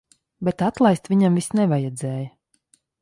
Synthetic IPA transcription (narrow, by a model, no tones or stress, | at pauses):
bet̪at̪lˠajst̪vʲiɲamvisnɛvajɛd̪zɛːjə